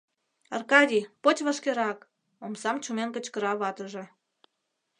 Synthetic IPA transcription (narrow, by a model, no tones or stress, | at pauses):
ɑrkɑdʲipot͡ɕʲβəʃkeɾɑk | omsɑmt͡ɕumenkə̆t͡ɕkə̆ɾɑβɑt̪əʒĕ